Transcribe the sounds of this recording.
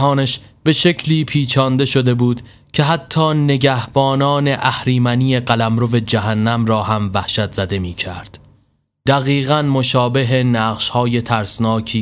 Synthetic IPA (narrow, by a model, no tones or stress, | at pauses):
ɦɒːnæʃb̥e̞ʃe̞cʰliːpʰiːt͡ʃʰɒːnd̪e̞ʃo̞d̪e̞buːd̪ | cʰe̞ɦæt̪ʰːɒːne̞ɟæhb̥ɒːnɒːne̞ʔæhɾiːmænije̞ɢælæmɾo̞ve̞d͡ʒæɦænːæmrɒːhæmvæhʃæt̪z̥æd̪e̞miːcʰæ̰ɾd̪̥ | d̪̥æɣiːɣænmo̞ʃɒːbe̞ɦenæːʁʃhɒːje̞t̪ʰæɾsnɒːcʰiː